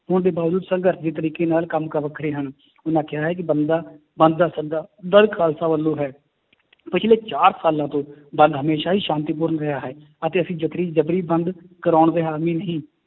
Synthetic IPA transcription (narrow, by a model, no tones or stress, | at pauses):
ɦʊɳd̪eːbaːʋd͡ʒuːd̪səŋɡəɾt̪ʰd͡ʒeːt̪əɾiːkeːnaːlkəmkəɾʋəkʰːɾeːɦən | ʊnãːkɪjaːɦɛːk̬ɪbənd̪aː | bənd̪̚d̪aːsəd̪aːd̪əɾkʰaːlsaːʋəlːõːɦɛː | pɪt͡ʃʰleːt͡ʃaːɾsaːlãːt̪õːbə̃nd̪ɦəmeːʃaːɦiːʃãːnt̪iːp̬ʊːɾnɾɪɦaːɦɛː | ət̪eːəsĩːd͡ʒət̪ɾiːd͡ʒəbɾiːbənd̪kəɾaːɳɾeːɦaːmĩːnəɦĩː